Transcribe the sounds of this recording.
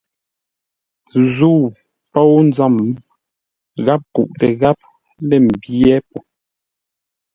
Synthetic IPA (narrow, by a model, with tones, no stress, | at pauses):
zu˦˨ | pɔ˦wn̩˦d͡za˦˨m˦ | ɣa˦p̚kṵ˨ʔtɛ˨ɣa˦p̚ | lɛ˦˨m̩˨bjɛ˦pu˨